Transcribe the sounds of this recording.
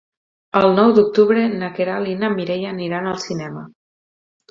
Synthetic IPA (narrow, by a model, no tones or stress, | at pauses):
əlˠnɔwd̪uk̚t̪uβɾenəkeɾalinamiɾeʎaniɾanəlˠsinɛmə